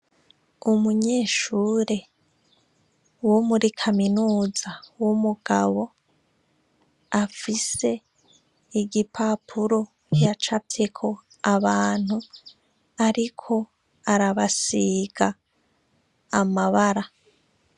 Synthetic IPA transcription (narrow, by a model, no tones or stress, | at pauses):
umuɲe̞ːʃuːɾe̞ | womuɾikʰaminuːzawomuɡ̥a̰βo̞ | afise̞ | iɟipʰapʰuɾo̞ | kjat͡ʃapikʰo̞ | aβaːn̥hu | aɾikʰo̞ | aɾaβasiɡ̥a | maβaɾa